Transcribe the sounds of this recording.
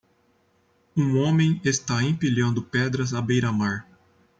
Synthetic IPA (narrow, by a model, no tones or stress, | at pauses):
ũõmẽj̃est̪aẽpiʎɐ̃nd̪ʊpɛd̪ɾɐzabejɾɐmaɾ